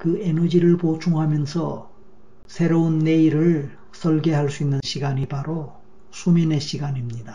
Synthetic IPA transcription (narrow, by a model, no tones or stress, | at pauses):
kɯe̞nʌd͡ʑiɾɯɭpot͡ɕʰuŋɦamjʌnsʰʌ | sʰe̞ɾounːe̞iɾɯɭ | s͈ʰʌɭɡe̞ɦaɭs͈uinːɯnɕʰiɡaɲipaɾo | sʰumine̞ɕʰiɡaɲimɲida